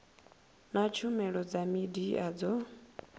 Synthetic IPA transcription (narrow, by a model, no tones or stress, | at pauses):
nat͡ʃʰumɛɺɔd͡zamidiad͡zɔ